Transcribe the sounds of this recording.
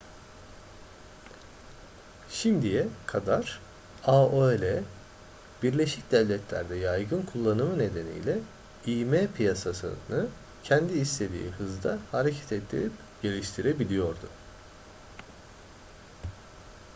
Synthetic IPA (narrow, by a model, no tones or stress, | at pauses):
ʃimd̪ijɛkʰad̪aɾ̥ | aoelʲe | biɾlʲe̞ʃicd̪ɛvlʲɛt̪ʰlʲæ̰ɾd̪ɛjajɡɯnkʰulˠːanɯmɯne̞d̪e̞nḭjlʲɛ | ijmeːpʰijasasɯ̰nɯ | cʰɛnd̪iːst̪ʰe̞d̪ḭːhɯzd̪ahaɾecʰɛ̥t̪ʰɛt̪ʰːḭɾip | ɟ̥e̞lʲiʃt̪ʰiɾebilʲijo̞ɾd̪ʊ